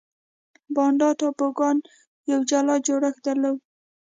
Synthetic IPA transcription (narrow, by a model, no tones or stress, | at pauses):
bɑnɖɑʈɑpoɡɑn | jawd͡ʒalɑd͡ʒoɽaxd̪alaw